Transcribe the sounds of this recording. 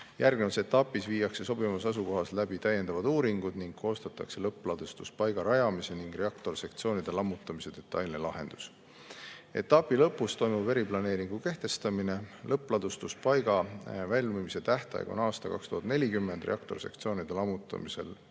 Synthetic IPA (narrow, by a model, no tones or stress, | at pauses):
jærɡ̥nevɑse̞t̪ːɑpːˑisviːjːɑkse̞so̞bimɑsɑsuko̞ɦɑslæbit̪æje̞nd̪ɑvɑd̪uːɾiŋɡud̪̥niŋɡ̥̚kʰo̞ːst̪ɑt̪ːˑɑ̰kse̞lɤpˑːlɑd̪̥ust̪uspɑjɡɑɾɑjɑmise̞niŋɡ̥re̞ɑkt̪o̞rsekt̪sio̞ːnid̪̥e̞lɑmːut̪ːˑɑmise̞d̪̥e̞t̪ːˑɑjlnelɑɦe̞̰nd̪̥u̥s | e̞̰t̪ːˑɑpːˑilɤpːˑust̪o̞jmub̥e̞ɾiplɑne̞ːɾiŋɡ̥uke̞ht̪e̞st̪ɑmine̞lɤpːˑlɑd̪ust̪uspɑjɡ̥ɑvælʲmimise̞t̪æht̪ɑ̰j̰ɡ̥o̰nɑːst̪ɑkɑ̰kst̪uɦɑd̪ne̞lʲikymːend̪rʔḛɑkt̪o̞rse̞̰kt̪sio̞ːnid̪̥e̞lɑmːut̪ːˑɑ̰mise̞̰l